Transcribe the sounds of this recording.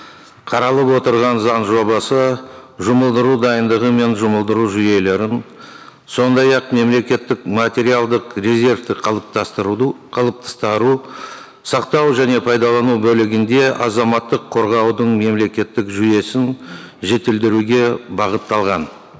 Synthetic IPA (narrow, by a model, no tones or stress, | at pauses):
qʰɑɾɑlˠəpwo̞t̪əɾʁɑnzɑnʒo̞bɑsəʒʊməlˠd̪əɾud̪ɑjənd̪əʁəme̞nʒʊməlˠd̪əɾuʒʏje̞le̞ɾɪn | so̞nd̪ɑjɑqme̞mle̞kʲe̞t̪ːɪkmat̪ʲe̞ɾijalˠd̪əqrʲezʲe̞ɾft̪ɪq̪ʰˠp̚t̪ɑ | qʰɑlˠəp̚t̪ʰɑ̥st̪ɑɾu | sɑqt̪ɑwʒæne̞pʰɑjd̪ɑlˠɑnubɵlɪɡʲɪnd̪e̞ʔɑzɑmɑt̪ːəqʰːo̞ɾʁɑwd̪əɴme̞mle̞kʲe̞t̪ːɪkʒʏje̞sɪnʒe̞t̪ɪld̪ɪɾuɡʲe̞bɑʁət̪ːɑlˠʁɑn